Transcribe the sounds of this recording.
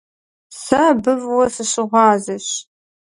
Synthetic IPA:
sɐbɨvwɐsɨɕɪʁʷɑːzɨɕ

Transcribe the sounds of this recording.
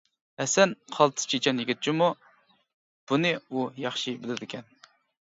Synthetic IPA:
ɛsɛnqʰɑlˠt̪ʰɨ̥st͡ʃʰet͡ʃʰɑnjiɡʲit̪̚t͡ʃʰimu | b̥unɨujɑχʃibɪlɪd̪ɪkʲʰɛn

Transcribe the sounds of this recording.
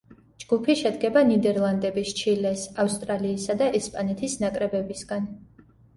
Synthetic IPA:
d͡ʒɡ̥upʰiʃɛd̪ɡɛbanid̪ɛɾlˠand̪ɛbist͡ʃʰilɛsafst̪ʼɾaliːsad̪aʔɛspʼanɛt̪ʰisnakʼɾɛbɛbisɡan

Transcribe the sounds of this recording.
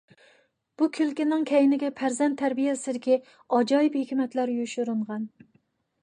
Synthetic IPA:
b̥ukʲʰylkʲinːɪŋkʲʰɛjɪnɪɡʲɛpʰæɾzɛnt̪ʰːæɾbijɛsɪd̪ɪkʲi | ɑd͡ʒɑːjiphekʲmɛt̪læɾjuʃuɾɨɴʁɑn

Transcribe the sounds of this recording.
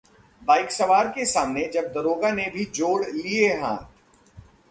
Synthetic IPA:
baːɪksɐʋaːɾkesaːmned͡ʒɐb̚d̪ɐɾoːɡanebʱid͡ʒoːɽlieɦã̰ːt̪

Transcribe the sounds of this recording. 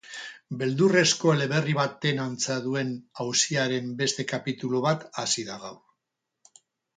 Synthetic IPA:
be̞ld̪ure̞sko̞ele̞βe̞riβat̪e̞nant͡saðue̞nawsiaɾe̞mbe̞st̪e̞kapit̪uloβ̞at̪asiðaɣaw

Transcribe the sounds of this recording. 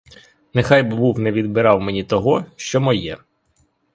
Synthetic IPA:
nexɑjbɪbuwnɛʋʲid̪bɪɾɑwmenʲit̪ɔɦɔʃt͡ʃɔmɔjɛ

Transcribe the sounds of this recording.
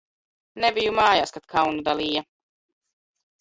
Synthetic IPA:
nebijumaːjaːskat̪̚kʰawnud̪aliːja

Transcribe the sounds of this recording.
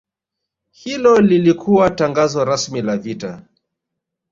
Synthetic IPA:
hilɔlilikʰuwataŋɡazaɾasmilavita

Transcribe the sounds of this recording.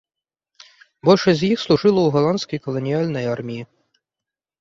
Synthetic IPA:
bɔlʲʃɛzʲjixslˠʊʒɪlˠɔuɦɔlˠɑnsʲkijkɔlˠɔnʲiɑlʲnɔjɑrmʲiji

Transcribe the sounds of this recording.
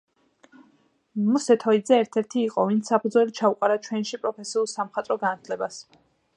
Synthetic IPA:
musɛt̪ʰɔid̪zɛːɾt̪ʰɛɾt̪ʰiːqʼɔvint̪sʰsːapʰud̪zɔlit͡ʃʰauqʼaɾat͡ʃʰwɛnʃipʼɾɔpʰɛsiulˠsamχat̪ʼɾɔɡanat̪ʰlɛbas

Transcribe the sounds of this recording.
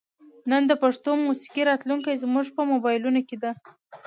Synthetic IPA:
nənd̪əpaʂt̪omusi̥kiɾɑt̪luŋkajzmuʐpəmobɑjɪlunoked̪a

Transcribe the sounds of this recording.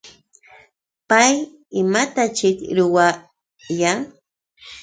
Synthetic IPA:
paj | ɪmat̪at͡ʃɪkɾʊwa | jaŋ

